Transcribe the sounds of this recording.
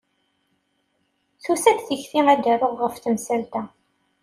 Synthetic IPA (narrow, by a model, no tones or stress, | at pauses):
θusæθθəçθiæd̪æɾʊʁːəfθəmsælt̪æ